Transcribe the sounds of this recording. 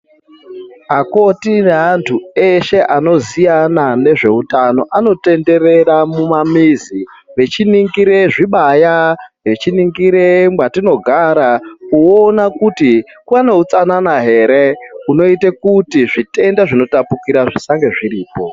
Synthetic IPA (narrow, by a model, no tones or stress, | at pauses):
ako̞tineantʰue̞ʃe̞ʔano̞zijanane̞ʐe̞utano̞ʔano̞te̞nde̞ɾe̞ɾamumamizi | ʋe̞t͡ʃiniŋɡiɾeʐiɓajaʋe̞t͡ʃiniŋɡiɾemwatino̞ɡʱaɾakuonakuti | kuane̞ut͡sananaɦe̞ɾe̞uno̞itekutiʐite̞ndaʐino̞tapukiɾaʐisaŋɡe̞ʐiɾiːpo̞